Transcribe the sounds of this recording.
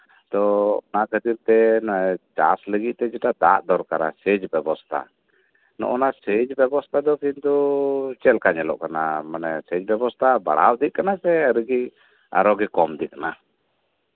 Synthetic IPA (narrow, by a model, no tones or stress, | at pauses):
t̪ɔnakət̪iɾt̪ɛnt͡ʃa̰sləɡiʔ̪̚t̪ɛd͡ʒɛʈad̪a̰ʔd̪ɔɾkaɾa̰sɛd͡ʒbɛbɔst̪ʰa̰ | nɔ̰ʔɔnasəd͡ʒbɛbɔst̪ʰad̪ɔkint̪ut͡ʃɛlkaɲɛlɔ̰ʔkanamanɛsɛd͡ʒbɛbɔst̪ʰaba̰ɽa̰wd̪iʔ̚kanasɛɾəɡi | a̰ɾɔɡɛkɔmd̪iʔ̚kana